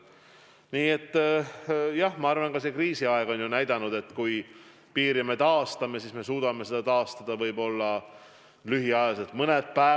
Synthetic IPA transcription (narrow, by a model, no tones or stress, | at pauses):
niːe̞t̪ː | jɑhmɑɑrvɑnɡ̥ɑse̞kriːsiɑe̞ɡ̥o̞njunæjd̪̥ɑnud̪̥e̞t̪ːkuj | piːɾime̞t̪ɑːst̪ɑme̞siːsme̞suːd̪̥ɑme̞se̞d̪ɑt̪ɑːst̪ɑd̪̥ɑvɤjbo̞lːɑ | lyɦiɑjɑset̪ˑmɤnet̪̚pæe